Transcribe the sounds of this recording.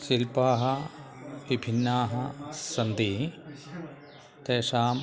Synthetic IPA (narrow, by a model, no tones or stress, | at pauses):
silpaːɦɐ | ʋibʱinːaːɦɐsɐnd̪iː | t̪eːʂaːm